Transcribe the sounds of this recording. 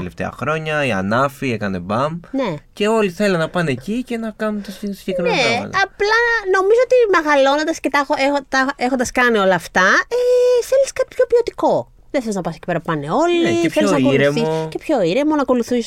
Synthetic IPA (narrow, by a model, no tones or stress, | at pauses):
eleft̪ḛɐ̰xɾo̞ɲɐiɐ̰nɐfiekɐne̞̰bɐmne̞ce̞o̞liθe̞lenɐpɐneːcice̞nɐkɐnunt̪ossi̥ɲʝekɾimɐneɐ̰t̪ɐɐplɐno̞mizoot̪imeɣɐlo̞nod̪ɐscet̪xoexot̪ɐexo̞nd̪ɐskɐnio̞lɐːft̪ɐeθeliskɐt̪ipço̞pio̞t̪iko̞ | ðeθeliznɐpɐsecipeɾɐppɐneo̞lieeθloiznɐoiuɾemisoce̞pço̞iɾe̞monɐko̞luθis